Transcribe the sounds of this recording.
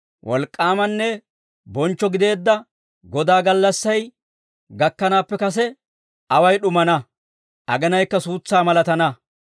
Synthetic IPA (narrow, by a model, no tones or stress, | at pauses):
wʔɔlkʼːaːmɐnːɛ | bɔnt͡ʃːɔɡɪd̪e̞ːd̪ːɐ | ɡɔd̪aːɡɐlːɐsːɐj | ɡɐkːɐnaːpːɛkɐs̬ɛ | ɐwɐjɗʊmɐnɐ | ʔɐ̰ɡɛnɐjkːɐsuːt͡sːaːmɐlɐt̪ɐnɐ